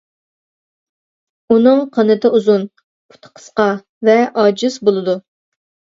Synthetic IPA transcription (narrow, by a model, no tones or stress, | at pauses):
unɨŋqʰɑnɨt̪ɨuzun | pʰu̥t̪ʰə̥qʰə̥sqɑ | vɛʔɑd͡ʒisbolˠɨd̪u